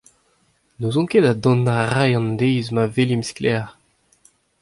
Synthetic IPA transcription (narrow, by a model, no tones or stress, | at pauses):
nozɔ̃kedad̪ɔ̃nːaʁajɑ̃nd̪ejzmavelimsklɛʁ